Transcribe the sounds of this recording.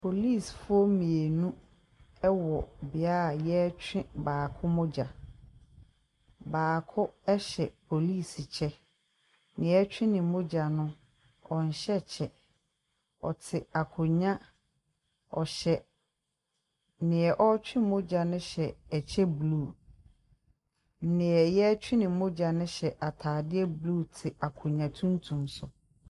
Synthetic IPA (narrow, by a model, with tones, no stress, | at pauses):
pʰo˨li˦˨sfʊ˦ɔ˦mĩ˨e˨nũ˦ | ɛ˦wɔ˨bɪ˨a˦ɾa˨jɛ˦t͡ɕᶣɪ̃˦baː˨kʰʊ˦mʊ̃˦d͡ʑa˨ | baː˨kʰʊ˦ɛ˦ɕɛ˨pʰo˨liː˦˨si˨t͡ɕʰɛ˦ | nɪ̃˨ɛ˦t͡ɕᶣɪ̃˦nɪ̃˨mʊ̃˦d͡ʑa˨nʊ̃˦ | ɔ˨n̩˨ɕɛ˦t͡ɕʰɛ˦ | ɔ̰˨tʰɪ˨a˨kʰʊ˨ɲã˦ | ɔ˨ɕɛ˨ | nɪ̃˨ɛ˨ʔɔ˦t͡ɕᶣɪ̃˦mʊ̃˦d͡ʑa˨nʊ̃˦ɕɛ˨ɛ˨t͡ɕʰɛ˦bluː˦˨ | n̩˦nɪ̃˨ɛ˨jɛ˦t͡ɕᶣɪ˦nɪ̃˨˦mʊ̃˦d͡ʑa˨nʊ̃˦ɕɛ˨ʔa˨tʰaː˨dɪ˦ɛ˦blu˦˨tʰɪ˨a˨kʰʊ˨ɲã˨tʰũ˦n˦tʰũ˨msʊ˨